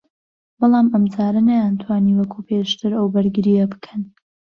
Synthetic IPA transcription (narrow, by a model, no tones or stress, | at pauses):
bɑlˠɑːmɐmd͡zaːɾɐnajant̪ʰwaːniːwɐkʰupʰeʃt̪ʰɨɾɐwbɐɾɡɨɾijɐbɨ̥kʰɐn